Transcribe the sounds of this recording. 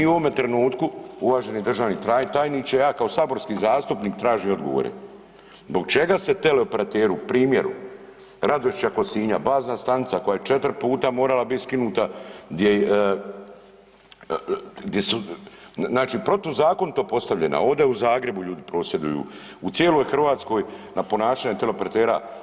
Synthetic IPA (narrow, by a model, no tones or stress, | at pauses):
iuʋo̞me̞t̪ɾe̞nuːt̪kuuʋaːʒe̞nid̪ɾr̩ʒaːʋnit̪at̪aːjniːt͡ɕejaːkaosaːbo̞ɾskiːzaːst̪upniːkt̪ɾaːʒio̞d̪ɡo̞̰ʋo̰ɾḛ | zbo̞ɡ̚t͡ʃe̞ɡaset̪eleopeɾat̪eːɾupɾiːmje̞ɾṵ | ɾad̪oʃt͡ʃako̞siːɲa̰baːznast̪anit̪sako̞jajet͡ʃe̞t̪ɾ̩puːt̪amo̞ːɾalabit̪skinuːt̪aɡd̪je | ɡd̪jesu | naːt͡ʃiːpɾo̞t̪ozaːko̞nt̪opo̞st̪aʋʎena̰o̞d̪ajeuzaːɡɾe̞buʎuːd̪ipɾo̞ːsje̞d̪ṵjṵː | ut̪sjeːlojxr̩ʋaːt̪sko̞ːj | napo̞naːʃaːɲet̪e̞leopeɾat̪e̞ːɾa̰